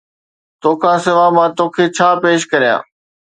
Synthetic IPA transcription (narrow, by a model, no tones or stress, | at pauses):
t̪oːkʰãːsɪʋaːmãːt̪oːkʰeːt͡ɕʰaːpeːʃkɐɾijã̰ː